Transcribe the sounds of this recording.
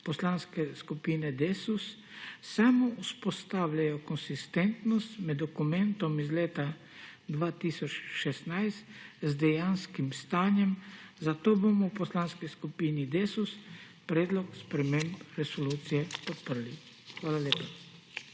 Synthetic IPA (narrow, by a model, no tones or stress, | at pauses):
pɔslanskɛskupiːnɛd̪esus | samɔuspɔst̪aːwlajɔkɔnsist̪ɛnt̪nɔst̪mɛd̪ːɔkumɛ̃nt̪ɔmizleːt̪a | d̪ʋaːt̪isɔt͡ʃʃɛsnajst̪zd̪ɛjanskimst̪aːnjɛmzat̪oːbomɔwpɔslaːnskiskupiːnid̪eːsus | pɾɛːd̪lɔkspɾɛmempɾɛsɔluːt̪sijɛpɔt̪̚pəɾli | xʋaːlaleːpa